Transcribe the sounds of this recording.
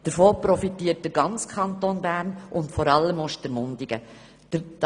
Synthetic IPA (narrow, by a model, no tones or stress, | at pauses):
d̥əɾfoːpɾɔfitiːət̚d̥əɾɡɑnt͡skʰɑntonbæːɾnʔʊntfɔɾɑlːəmʊʃtəɾmʊndɪɡ̥ə̥